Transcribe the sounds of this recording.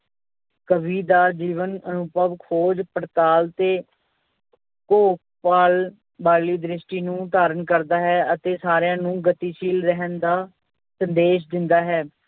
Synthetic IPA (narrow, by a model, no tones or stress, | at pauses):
kəbiːd̪aːd͡ʒiːʋənənʊpəʋkʰhoːd͡ʒpəɽt̪aːlt̪eː | koːk̚paːl | baːliːd̪ɾɪʃʈiːnũːd̪aːɾənkəɾd̪aːɦɛːət̪eːsaːɾjãːnũːɡət̪iːʃiːlɾɛɦənd̪aː | sə̃nd̪eːʃ̬d̪ɪnd̪aːɦɛː